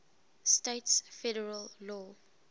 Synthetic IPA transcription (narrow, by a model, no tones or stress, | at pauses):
steɪtsfɛɾəɹəllɔː